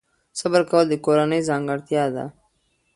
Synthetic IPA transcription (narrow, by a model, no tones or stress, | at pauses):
sabəɾkawəld̪əkoɾanəjzɑŋɡəɾt̪jɑd̪a̰